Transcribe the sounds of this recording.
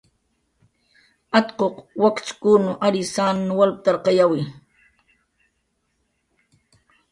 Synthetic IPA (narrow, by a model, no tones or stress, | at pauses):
at̪qoqwakt͡ʃkunʊʔaɾisaːnnwalp̚t̪aɾqɑjawi